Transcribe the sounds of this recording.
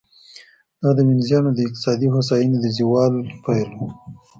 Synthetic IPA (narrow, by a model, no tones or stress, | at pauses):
d̪ɑd̪əmɪnzjɑnod̪əɪq̚t̪ɪ̥sɑd̪ihos̬ɑjined̪əziwɑlpajlu